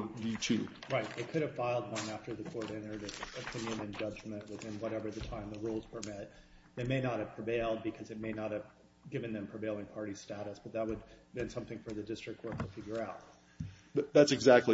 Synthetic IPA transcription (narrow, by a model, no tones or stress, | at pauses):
ðitʰʉ | ɹaɪt̪̚ðeɪkʰʊɾɨv̥faɪlˠd̪̚ðə̃mæftə˞ðɨkʰɔɹɾɪ̃nə˞ɾɨɨpʰɪ̃njɨ̃nɨ̃nd͡ʒʌd͡ʒmɨ̃nʔwɨθɪ̃nwʌɾɛvə˞ðɨtʰãɪ̃mðəɹulˠz̥wʰə˞mɪt̪̚ðeɪmeɪnət̚hɨv̥pʰɹ̥iveɪlˠd̚bɨkʰʌzɨt̚meɪnət̚hɨv | ɡɪvɨ̃nðɨ̃mpʰɹ̥iveɪlˠɪ̃ŋpʰɑɹɾi̥stæɾɨsb̥ʌt̪̚ðət̚wəd̚bɨ̃nsʌ̃mθɪ̃ŋfə˞ðɨdɪstɹ̥ɨktʰwɔɹt̚tʰəfɪɡjə˞aʊt̚ | ðætsɨɡzæk̚tˡli